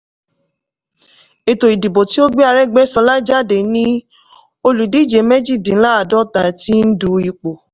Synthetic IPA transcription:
e˨to˨i˨di˨bo˨ti˦o˦ɡ͡be˦a˧ɾɛ˦ɡ͡bɛ˦sɔ˧˦la˦d͡ʒa˦˨de˨nĩ˦ | o˧lu˨di˦˨d͡ʒe˨˦mɛ˦d͡ʒi˦˨dĩ˨˦la˦a˨dɔ˦ta˨ti˦n̩˦du˧i˨k͡po˨

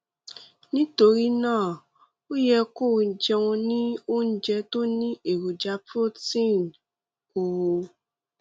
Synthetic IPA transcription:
nĩ˦to˧ɾi˦nãː˦˨ | o˦jɛ˧ko˦˨˦d͡ʒɛ˧wũ˧nĩ˦o˦n̩˦d͡ʒɛ˧to˦nĩ˦e˦˨ɾu˨d͡ʒa˧pɾo˦tĩ˦˨n˨ | o˨˧

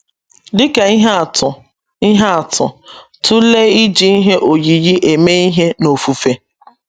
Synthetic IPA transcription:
dɪ˦ke˨˦ɦtʊ˨ | i˦ɦa˦a˨tʊ̰˨tʰʊ˦le˦i˦d͡ʒi˨˦i˦ɦe˦ʔo˨ji˨ji˦ʔe˨me˦i˦ɦe˦no˨fu˨fe˦

